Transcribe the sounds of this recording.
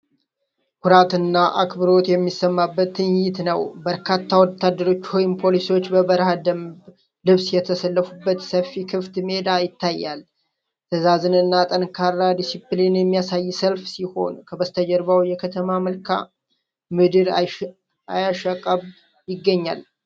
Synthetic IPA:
kʰuɾat̪ɨnːaʔakbɨɾo̞t̪jɛmːisːəmːabːət̪ːɨnjɪt̪nəwbəɾkʰat̪ʰːawɔt̪ʰːad̪ːəɾo̞t͡ʃːhojɪmpʰo̞lisiwo̞t͡ʃːbəbəɾhad̪əmb | lɨβsjɛt̪ʰəsəlːəfubːət̪səfikʰɨft̪med̪ajɪt̪ʰːajːal | t̪ʰəzazɨnɨnːat̪ʼənkʰaɾːad̪isiplinjɛmːijasajːsəlfsiho̞̰nkʰəbəst̪ʰəd͡ʒəɾβawjɛkʰət̪ʰəmaməlkʰa̰ | mɨd̪ɨɾ | ajaʃəkʼəβ | jɪɡːəɲːa̰l

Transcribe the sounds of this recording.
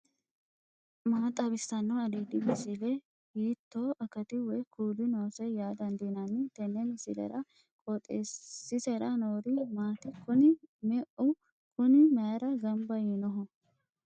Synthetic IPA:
maːt̪ʼːɐbɪsːɐnːɐɐd̪eːd̪ɪbɪsɪlɛ | hiːt̪ːoːʔɐkɐt̪ɪwɛjkʰuːd̪ɪnoːsɛjaːd̪ɐnd̪inɐnːɪt̪ɛnːɛnɪsɪ̰lɛ̰ɾɐ | kʼɔt̪ʼːḛːɪsɛɾɐnoːɾɪmaːt̪ɪkʊnɪmɛʔʊ | kʊnɪmɐɾɐɡɐmbɐjɪnɔɦɔ

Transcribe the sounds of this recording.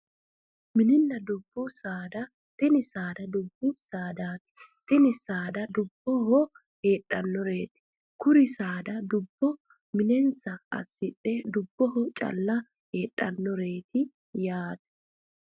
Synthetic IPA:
mɪnɪnːɐd̪ʊbːʊsaːd̪ɐ | t̪ɪnɪsaːd̪ɐd̪ʊbːʊsaːd̪aːt̪ɪ̥t̪ɪnɪsaːd̪ɐd̪ʊbːɔɦɔ | heːᶑʼːɐnːɔɾe̞ːt̪ɪ̥ | kʊɾɪsaːd̪ɐd̪ʊbːɔ | mɪnɛnsɐɐ̰sːɪɗɛd̪ʊbːɔɦɔt͡ʃʼɐ̰lːɐ | heːᶑʼːɐnːɔɾe̞ːt̪ɪ | jaːt̪ɛ̥

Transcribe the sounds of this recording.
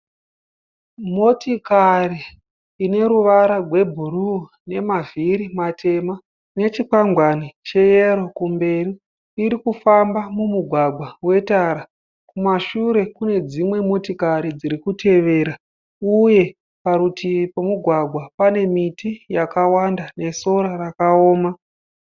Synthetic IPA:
mo̞tikariː | ne̞ɾuʋaɾarʱwe̞bʱuru | ne̞maviɾimatʰe̞ma | ne̞t͡ʃikaŋɡwanit͡ʃe̞jeɾo̞kumbe̞riː | ɾikufambamumuɡʱwaɡʱwawe̞taɾa | kumaʃuɾe̞kune̞d͡zimwe̞motikaɾid͡ziɾikutʰe̞ʋe̞ɾa | uje̞ | paɾutipomuɡʱwaɡʱwapane̞mitijakawandane̞so̞ɾarakaoːma

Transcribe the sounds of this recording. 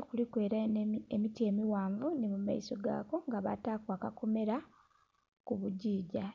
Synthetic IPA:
kulikwe̞ːɾaemitie̞miwaːɱvunimuma̰iso̞ɡa̰ːko̞ŋɡaβa̰taːkwaːkako̞me̞ɾa | kuβuɟiːɟa

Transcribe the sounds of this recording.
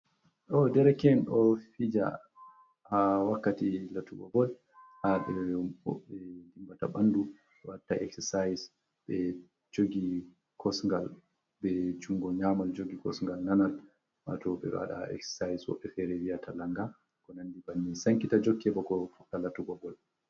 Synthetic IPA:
ʔɔdɛɾɛkɛnɔfid͡ʒa̰ | awakːatilatuɡɔbɔl | haɓɛwɔ̰ɓɛdimbata̰ɓandu | ɛwatːaʔɛksɛsajs | ɓɛ | d͡ʒoɡi | kʰɔsŋɡal | bɛd͡ʒuŋɡɔɲamald͡ʒoɡikɔsŋɡalnanal | ma̰tɔɓɛ̰a̰ɗa̰ɛ̰kssajswɔ̰ɓːɛfɛɾɛwiatalaŋɡa | kɔnandibanːisaŋkitad͡ʒokːɛbɔɡɔfutːalatuɡɔbɔl

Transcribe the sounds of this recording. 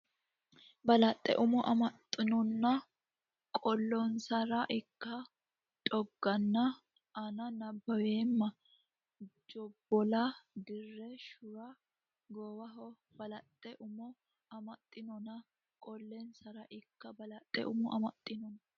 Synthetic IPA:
bɐlɐt̪ʼːɛ̰ʔʊmɔʔɐmɐt̪ʼːɪnɔnːɐ | kʼɔlːɔnsɐɾɐʔɪkːɐ | t̪ʼɔɡːɐnːɐ | ɐnɐnɐbːɐweːmːɐ | d͡ʒɔbːɔlɐd̪ɪrːɛʃʊɾɐ | ɡoːwɐɦɔ | b̥ɐlɐt̪ʼːɛʔʊmɔ | ɐmɐt̪ʼːɪnɔnɐ | kʼɔlːɛnsɐɾɐʔɪkːɐbɐlɐt̪ʼːɛ̰ʔʊmɔʔɐmɐt̪ʼːɪnɔnɐ

